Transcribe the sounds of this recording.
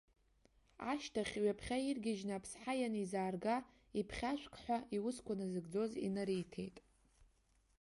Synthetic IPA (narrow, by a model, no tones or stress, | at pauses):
aʃtʰaχʲɥapʰχʲairɡʲɪʒnɨːpʰsħajanizaːrɡa | ipʰχʲaʃʷkʰʼħʷaʔiwʊskʷʰanazɨɡd͡zo̞zḭnaɾijtʰe̞̰jtʼ